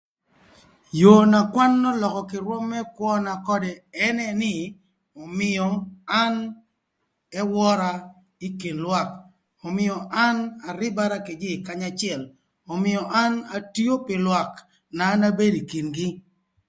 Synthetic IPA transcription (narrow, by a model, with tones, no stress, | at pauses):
jo˨na˨kwa˦nːɔ˦lɔ˨kɔ˨kɪ˨ɾwɔ˦mːɛ˦kwɔ˦na˨kɔ˦dɛ˨ɛ˦nɛ˦nɪ˦ | ɔ˨mɪ˨ɔ˨a˦n | ɛ˦wɔ˦ɾa˦ | i˦ki˨nlwa˦k | ɔ˨mɪ˨jɔ˨ʔa˦na˨ɾɪ˦ba˦ɾa˦ke˨d͡ʒɪ˦˨ka˦ɲa˦t͡ʃɪ˦ɛ˨l | ɔ˨mɪ˨jɔ˨ʔa˦na˨ti˦o˦pɪ˨lwa˨k | na˨˦na˦be˦di˨ki˨nɡɪ˦